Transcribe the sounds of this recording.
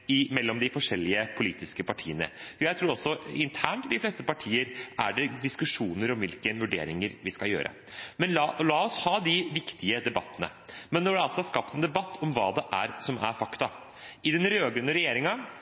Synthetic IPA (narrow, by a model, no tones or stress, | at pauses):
ɪmɛlːɔmd̪ɪfɔʂɛlːɪəpʰʊliːt̪ɪskəpɑʈʰḭːənə̰jæɪt̪ʰɾuːɾɔsːɔɪ̰nt̪ʰæːɳʈɪd̪ɪfleːst̪əpɑʈʰiːəɾæ̰ɖɛd̪ɪskʉʂuːnəɾɔmʋɪlkənʋʉɖḛːɾɪŋəɾʋɪskɑljø̰ːɾʔə̰ | mɛnlɑlɑːɔshɑːd̪ɪʋɪkt̪ɪəd̪ɛbɑt̪ːənə̰ | mɛnːɔɖɛɑlsɔhɑskɑpt̪ɛnd̪ɛbɑt̪ːɔmʋɑ̰ːd̪ɛʔæ̰ɾsɔmæ̰ɾfɑkt̪ɑ | ɪd̪ɛnɾøːɡənəɾɛjeːɾɪŋɑ